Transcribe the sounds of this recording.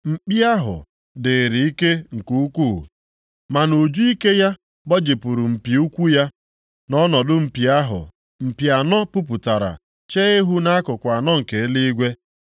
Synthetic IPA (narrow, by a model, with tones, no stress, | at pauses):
m̩˨k͡pi˦a˦ɦʊ̰˨ | dɪ˨ɾi˨i˦ke˦ŋ̩˨ku˦u˦kṵ˦˨ | ma˨no˨d͡ʒu˦i˦ke˦ja˦ | bɔ˦d͡ʒe˨pu˨ɾu˨m̩˨pi˨u˦kʷu˦ja˦ | nɔ˦nɔ˨dʊ˦m̩˨pi˨a˦ɦʊ̰˨ | m̩˨pi˨a˨nɔ˦pu˦p̬u˨ta˨ɾa̰˨ | t͡ʃe˦e˦ɦu˦na˦a˦kʊ˨kʷa˨nɔ˦ŋ̩˨ke˨e˦li˦i˦ɡʷe˦